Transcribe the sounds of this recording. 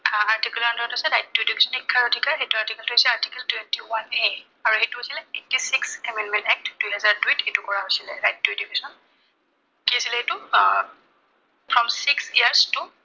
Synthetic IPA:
aɹtikulɔɹndʱɔtasɛnajt̚dujdibʱisɔnikʰːaɹodʱikaxejtuaɹtikɛltʊɦojsilɛaɹtikɛltwɛntiwane | aɹuhetuɦojsilɛetːisiksɛmɛndmɛ̃ntɛk̚tdujɦɛzaɹduithetukɔɹaɦojsilɛɹajt̚dujdibʱisɔn | kiesilɛetʊ | fɹɔmsiksiaɹstʊ

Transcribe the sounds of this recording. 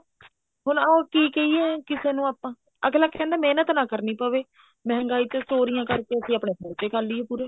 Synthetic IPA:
ɦʊnaokiːkeiɛːkɪseːnũːaːpãː | ə̰klaːkɛ̃ːnd̪aːmeːnət̪nãːkəɾniːpəːʋeː | mɛɦŋɡaːiːt͡ʃəsoːɾijãːkəɾkeːəsĩːaːpɳeːpoːɾt͡ʃeːkʰəlːiːɛːpuːɾeː

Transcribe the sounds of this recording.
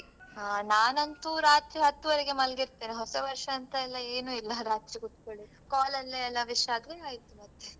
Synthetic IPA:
anaːnɐnt̪uɾaːt̪ɾiɦɐt̪ːuʋɐɾeɡe̞mɐlɡiɾt̪eːneɦɔsɐʋɐɾʂɐːnt̪ɐɛlːɐeːnuːilːɐɾaːt̪ɾiɡut̪koɭi | kaːlɐlːeɛlːɐʋiʃaːd̪ɾeaːjit̪ːumɐt̪ːe

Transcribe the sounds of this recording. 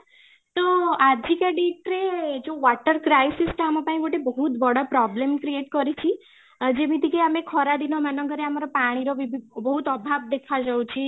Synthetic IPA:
t̪oad̪ʱikaɖiʈɾed͡ʒoʋɔʈəɾkɾajsisʈamɔ̃paĩɡoʈebɔɦut̪bɔɽapɾɔblemkɾieʈkɔɾit͡ʃʰi | d͡ʒemit̪ikeamekʰɔɾad̪inɔmanɔŋɡəɾeamaɾɔpaɽ̃iɾoʋibʱibɔɦut̪ɔbʱabd̪ekʰad͡ʒəw̃t͡ʃʰi

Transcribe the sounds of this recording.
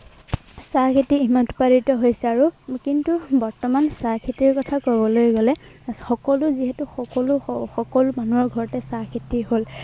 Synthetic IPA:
sakʰetiimantpaɹitɔɦojsɛaɹukintubɔɹtɔmansakʰetiɹkɔtʰakobɔlojɡolɛxɔkɔlʊziɦɛtuxɔkɔlʊxɔkɔlmanuɔɹɡʱɔɹɔtɛsakʰetiɦol

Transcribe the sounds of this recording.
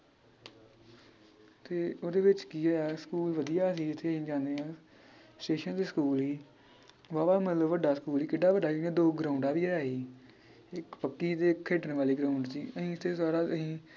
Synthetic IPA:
t̪eːoːd̪eːʋɪt͡ʃkiːaaːskuːlʋəd̪ijaːs̬iːɪt̪ʰːeːəɦĩːd͡ʒãːnd̪eːɦãː | sʈeːʃənt̪eːsəkuːlɦiː | ʋaːʋaːmət̪ləbʋəɖaːsəkuːliːkɪɖaːʋəɖaːiːẽːd̪oːɡɾãːʊ̃ɳɖaːʋiːɛaːiː | ɪkpəkːiːt̪eːkʰːeːʈənʋaːliːɡɾaːʊ̃ɳɖsḭːəɦĩːɪt̪ʰːeːsaːɾaːəɦĩː

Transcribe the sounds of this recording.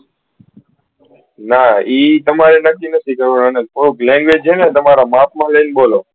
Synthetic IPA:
naːiːt̪əmaːɾenəkːinət̪ʰikəɾũːnənepʰoɾũklɛ̃ːŋɡʋeːd͡ʒɦeːnẽːt̪əmaːɾaːmaːpmãːləinboːloː

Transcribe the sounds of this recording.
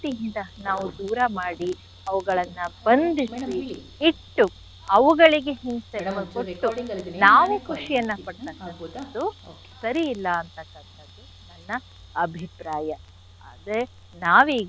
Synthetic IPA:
t̪iɦind̪ɐnaːʋud̪uːɾɐmaːɽi | ɐʋuɡɐɭɐnːɐbɐnd̪isi | iʈːu | ɐʋuɡɐɭiɡeɦinsekoʈːunaːʋekuʂijɐnːɐpɐɽt̪ɐkːɐɐd̪ːu | sɐɾiːlːɐːnt̪ɐkːɐnt̪ɐd̪ːu | nɐnːɐː | bʱipɾaːjɐ | a̰ːd̪ɾe | naːʋiːɡ

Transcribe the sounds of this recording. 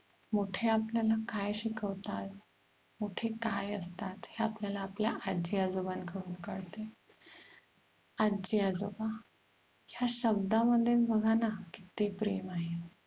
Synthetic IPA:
moʈʰeapljalakajɕikəʋt̪at̪ | moʈʰekajəst̪at̪heapljalaːpljaʔad͡ʑiad͡zobankʰəɽuːnkəɽt̪e | ad͡ʑiad͡zoba | jaɕəb̚d̪ãməd̪ʱjebʱəɡʱanaki̥t̪iːpɾemaɦe

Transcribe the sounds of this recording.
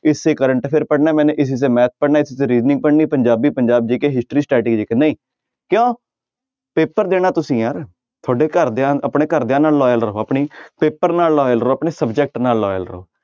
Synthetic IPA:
ɪsːeːkəɾəɳʈpʰɪɾpəɽnaːmɛ̃ːneːʔɪs̬is̬eːmɛːt̪̚ʰpəɽnaːɪsiseːɾiːznɪ̃ŋɡ̚pəɽniːpəɲd͡ʒaːbiːpəɲd͡ʒaːb̚d͡ʒiːkeɦɪsʈɾiːsʈɛːʈɪɡd͡ʒiːkenaĩː | kjõː | peːpəɾd̪eːnaːt̪ʊsĩːjaːɾ | t̪ʰoːɖeːkəɾd̪eãːəpɳeːkəɾd̪ɪãːnaːlːɔːjəlɾəɦoːəpɳiːpeːpəɾnaːlːɔːjəlɾəoːəpɳeːsəbd͡ʒɛk̚ʈnaːlːɔːjə̰lɾəo̰ː

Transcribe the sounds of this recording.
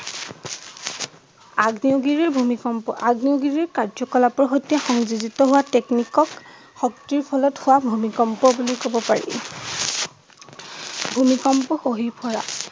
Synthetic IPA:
aɡniuɡiɹiɹbʱumikɔmpɔaɡniuɡiɹiɹkaɹzɔkɔlapɔɹxojtijɛxɔŋzuzitɔɦʊwateknikɔk | xɔktiɹpʰɔlɔthʊwabʱumikɔmpɔbulijkɔbɔpaɹḭ | bʱumikɔmpɔxoɦipʰɔɹa̰

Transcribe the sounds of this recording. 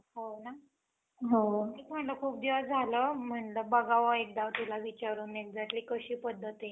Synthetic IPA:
ɦona | ɦot̪ikm̤əɳləkʰuːp̚d̪iʋəsd͡zʱaləm̤əɳləbəɡaʋəek̚d̪aʋt̪ulaʋit͡ɕaɾuːnek̚d͡zaʈliːkəɕiːpəd̪ʱːət̪e

